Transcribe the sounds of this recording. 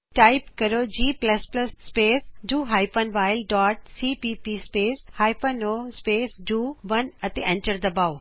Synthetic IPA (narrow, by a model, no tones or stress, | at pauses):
ʈaːɪpkɐɾod͡ʑiːplɐsplɐsːpeːsɖuːɦaːɪpɐnʋaːɪlɖɔːʈ̚siːpiːpispeːshaːɪpənoːspeːsɖuːʋɐnɐt̪eʔẽɳʈəɾd̪ɐbaːʊ